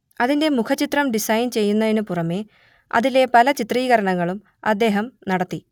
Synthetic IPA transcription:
ɐðinde̞mukʰɐt͡ɕːit̪rɐmɖisɐjnt͡ɕe̞jːunːɐðinɨpurɐme̞ | ɐ̰ðile̞pɐlɐt͡ɕit̪riːɣɐɾɐɳɐŋːɐɭum | ɐd̪ːe̞ːɦɐmnɐɽɐt̪ːi

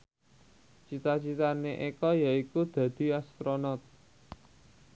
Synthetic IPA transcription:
t͡ʃit̪at͡ʃit̪aneʔekɔjaikud̪̥ä̤d̪̥i̤ast̪ɾonɔt̪̚

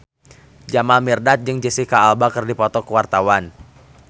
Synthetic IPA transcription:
d͡ʒamalmirdat̪̚d͡ʒɨŋd͡ʒəsikaːlbakərdipɔt̪ɔkəwart̪awan

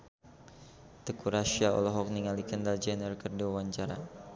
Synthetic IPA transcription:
t̪əkuɾaʃiaɔ̰lɔɦɔk̚niŋalikəndald͡ʒɛnərkərdiwawaɲt͡ʃaɾa

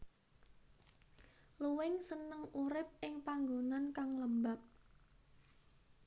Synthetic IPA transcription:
luwɪŋsənəŋuɾɪp̚ɪŋpaŋɡonankaŋləmbap̚

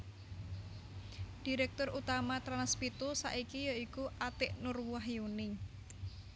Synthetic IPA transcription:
d̥iɾɛk̚t̪ʊrut̪amat̪ɾanspit̪usa̰ʔikijaikuʔat̪ɪʔnʊrwuaɦjunɪ

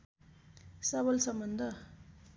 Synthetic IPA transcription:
sɐbɐlsɐmbɐnd̪ɐ

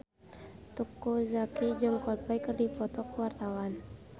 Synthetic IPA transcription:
t̪ukːuzakid͡ʒɨŋkɔl̚pɛjkɨrdipɔt̪ɔkwart̪awan

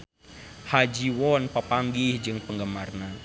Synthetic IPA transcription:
had͡ʒiwɔnpəpaŋɡihd͡ʒɨŋpəŋɡəmarna

